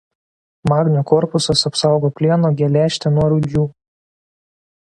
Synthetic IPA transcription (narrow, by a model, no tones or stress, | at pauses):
mɑːɡnʲukɔɾpʊsɐsɐpsɑˑʊɡoːpʲlʲiɛnoːɡʲɛlʲæːʃʲt̪ʲɛnuɔɾʊd̪ʲjuː